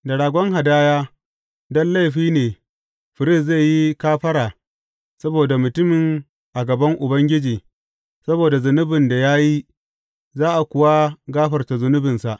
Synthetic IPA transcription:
dɐ˨ɽaː˨ɡʷɔ˦ŋɦa˨daː˦jaː˦ | dɔ˦nla˦˨ɸiː˦neː˨ | ɸɪ˨ɾɪ˦˨sze˦˨ji˦kaː˦ɸɐ˦ɾaː˨ | sɐ˦boː˨da˨mʊ˨tʊ˦mɪ˨ŋ | ʔa˨ɡɐ˨bɐ˦ŋʔʊ˨bɐ˦ŋɡʲɪ˦d͡ʒiː˨ | sɐ˦boː˨da˨zʊ˨nʊ˦bɪ˨nda˨jaː˦ji˦ | zaː˦ʔa˨kʷʊ˨wa˦ɡaː˦ɸɐ˨rta˨zʊ˨nʊ˦bɪ˨nsa˨ʔ

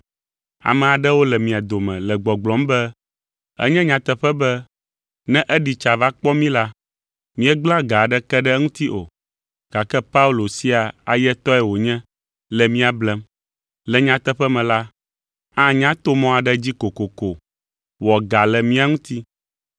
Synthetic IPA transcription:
a̰˨mɛ̃˨a˨ɖɛ˦wo˦lɛ˨mĩ˨a˨d̪o˨mɛ̃˨lɛ˨ɡ͡bɔ˨ɡ͡blɔ̃˨˦mbɛ˦ | ɛ̰˦ɲɛ̃˦ɲã˨t̪ɛ˦ɸɛ˦bɛ˦ | nɛ̃˦ʔɛ˦ɖi˨t͡ʃa˨va˦k͡pɔ˦mĩ˦la˦ | mĩ˦ɛ˦ɡ͡bla˦ɡa˨ɖɛ˦kɛ˦ɖɛ˦ŋũ˦t̪i˦ʔo̰˨ | ɡ̥a˨kɛ˦pa˦u˦lo˨si˦a˨a˨jɛ˦t̪ɔ˦ɛ˨wo˨ɲɛ̃˦ | lɛ˨mĩ˦a˨blɛ˨m | lɛ˨ɲã˦t̪ɛ˦ɸɛ˦mɛ̃˨la˦ | ã˦ɲã˦t̪o˦mɔ̃˦a˨ɖɛ˦d͡ʑi˦ko˨ko˨ko˨ | wɔ˨ɡa˨lɛ˨mĩ˦a˨ŋũ˦t̪i˦

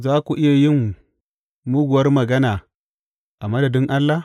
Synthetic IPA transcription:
zaː˦kʷu˨ʔɪ˦ja˨jɪ˦˨ŋ | mʊ˦ɡʷʊ˨wɐ˦rmɐ˨ɡɐ˦naː˨ | ʔa˨mɐ˦dɐ˨dɪ˦ŋʔa˦lːa˨

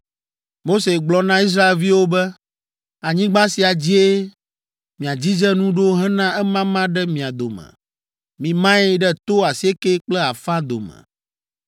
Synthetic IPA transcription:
mo˦se˨ɡ͡blɔ˨nã˦i˦s̬ɾa˦e˨lvi˦wo˦bɛ˦ | a˨ɲĩ˦ɡ͡bã˦si˨a˨d͡ʑi˦e˦ | mĩ˨a˨d͡ʑi˦d͡ʒɛ˦nũ˦ɖo˦ɦɛ̃˦nã˦ɛ˦mã˦mã˦ɖɛ˦mĩ˨a˨d̪o˨mɛ̰̃˨ | mĩ˨mã˦ɛ˦ɖɛ˦t̪o˦a˨si˨˦e˦ke˦k͡plɛ˦a˨fã˦d̪o̰˨mɛ̰̃˨

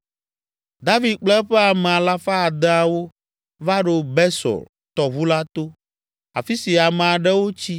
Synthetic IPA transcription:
d̪a˦vi˨d̪̚k͡plɛ˦ɸɛ˦a˨mɛ̃˨a˨la˦fa˦a˨d̪ɛ˦a˨wo˦ | va˦ɖo˨bɛ˦sɔ̰˨l | t̪ɔ˨βu˦la˦t̪o˦ | a̰˨fi˦si˨a˨mɛ̃˨a˨ɖɛ˦wo˦t͡ɕi˦

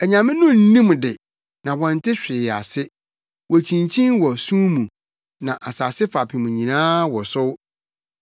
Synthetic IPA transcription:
ɛ˨ɲã˨mɪ̃˦nʊ̃˦n̩˦nĩ˦mdɪ˨ | nã˨wɔ̃˨n˨tʰɪ˦ɕᶣɪ˨ja̰˨sɪ˦ | wɔ˨t͡ɕʰĩ˨nt͡ɕʰĩ˦nwɔ˨sũ˦mũ˨ | nã˨ʔa˨saː˨sɪ˦fa˨pʰɪ˨mũ˨ɲĩ˨nãː˦wɔ˨sʊ˦w

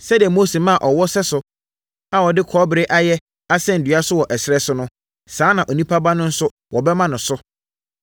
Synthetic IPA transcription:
sɛ˦dɪ˨ɛ˨moː˦se˨mã˦˨ʔɔ˨wɔ˦sɛ˦sʊ˨ | a˨wɔ˨dɪ˦kʰɔː˦bɪ˨ɾe˦ʔa˦jɛ˦ | a˦sɛ̃˦n̩˨dɥa˦sʊ˦wɔ˨ʔɛ˨sɪ˦ɛ˦sʊ˦nʊ̃˦ | sãː˨˦nã˨ʔo˨nĩ˦pʰa˦ba˦nʊ̃˦n̩˦sʊ˦ | wɔ˨bɛ˦mã˦nʊ̃˨sʊ˦

